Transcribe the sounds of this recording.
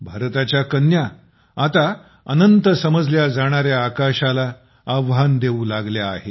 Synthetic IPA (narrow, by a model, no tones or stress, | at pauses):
bʱaɾt̪at͡ɕjakənja | at̪a | ənənt̪əsəməd͡zljad͡zaɽ̃aɾjaːkaɕala | aʋɦand̪eulaɡljaːɦe